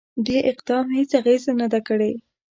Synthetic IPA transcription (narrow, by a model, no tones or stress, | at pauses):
d̪eʔɪqd̪ɑmhet͡saɣezanad̪akəɽe